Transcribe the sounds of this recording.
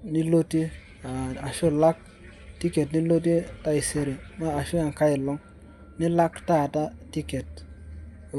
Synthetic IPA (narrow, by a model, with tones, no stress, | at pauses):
ni˦lo˦ti˦ | a˨a˨ʃʊ˦la˦k̚ | ti˦ke˨tni˦lo˦t̬i˦ta˦ɪ˨se˦ɾe˨maː˦˨ʃʊ˦a˨ŋ˨ka˦ɪ˨lɔ˦ŋ | nɪ˦la˦kta˦˨ta˦ti˦ke˨t̚